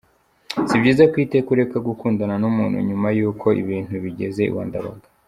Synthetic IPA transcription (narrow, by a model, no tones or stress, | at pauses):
sibɟiːzakwiːte̞kuɾe̞kaɡukuːndananumuːn̥hṵɲumajuːkʰo̞ʔḭβiːn̥huβiɟe̞ze̞ḭwa̰ːndaβa̰ɡa